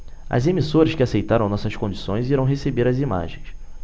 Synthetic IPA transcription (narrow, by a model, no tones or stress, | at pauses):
ɐ̰zemisoɾɐskɪasejt̪aɾɐ̃w̃nɔsɐskõd͡ʒisõj̃ziɾɐ̃w̃ɦesebeɾɐzima̰ʒẽj̃s